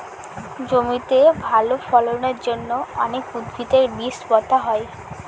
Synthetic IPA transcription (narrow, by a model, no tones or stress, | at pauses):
d͡ʑomit̪ebʱalofɔlonaɾd͡ʑonːoɔnekud̪bʱit̪eɾbisbɔt̪aɦɔe